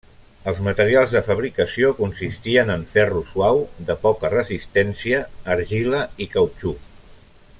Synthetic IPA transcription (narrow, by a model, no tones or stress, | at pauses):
əlˠzmət̪əɾialˠzðəfəβ̞ɾikəsiokunsist̪iənəɱfɛruswawðəpɔkərəzist̪ɛnsiəːɾʒiləikəwt͡ʃu